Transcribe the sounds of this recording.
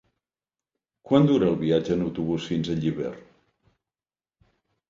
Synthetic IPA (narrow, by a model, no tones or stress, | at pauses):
kwand̪uɾəːlˠβiad͡ʒəːnəwt̪uβ̞usfinzəʎiβɛ̰r